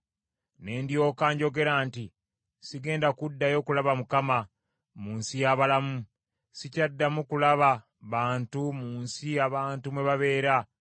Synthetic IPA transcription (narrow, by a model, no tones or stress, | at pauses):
ne̞ːndjo̞ːkaːɲɟo̞ɡe̞ɾaːnti | siɡe̞ːndakudːajo̞kulaβamukama | muːnsijaβalamu | sicadːamukulaβa | βaːntumuːnsiaβaːntumwe̞βaβe̞ːɾa